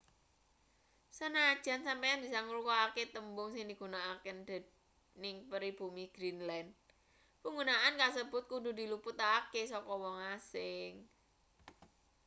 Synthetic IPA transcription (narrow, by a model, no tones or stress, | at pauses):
sənad̥ʒ̥a̤nsampajaŋb̥isaŋulukaaket̪əmbʊŋsɪŋdiɡ̥unaakənd̥ɛ̤d | nɪŋpəɾib̥umiɡ̥ɾinlɛnd̚ | puŋɡunaʔankas̬əb̥ʊt̪̚kudṳdi̤lupʊt̪akesɔkɔwɔŋasɪŋ